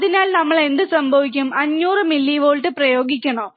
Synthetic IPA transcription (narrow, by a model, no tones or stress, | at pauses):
ɐðinaːlnɐmːɐɭe̞nd̪ɨsɐmbʱɐʋikʲːumɐɲːuːrɨmilːiʋoːɻʈːɨprɐjo̞ːɡikʲːɐɳɐː